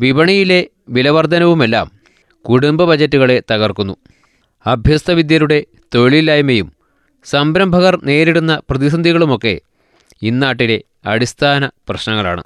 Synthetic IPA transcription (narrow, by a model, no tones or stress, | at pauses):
ʋibɐɳijile̞ | ʋilɐʋɐrd̪ʱɐnɐʋume̞lːa̰ːm | kuɽumbɐbɐd͡ʑɐtːuɣɐɭe̞t̪ɐɣɐrkunːu | ɐbʱjɐst̪ɐʋid̪jɐɾuɽe̞ | t̪o̞ɻɭilaːjumejum | sɐmbɾɐmbʱɐɣɐrne̞ːɾiɽunːɐprɐðis̬ɐnd̪ʱiɣɐɭumo̞kːe̞̰ | inːaːʈ̬ːile̞ | ɐɽist̪ʰaːnɐprɐɕnɐŋːɐɭa̰ːɳɨ̰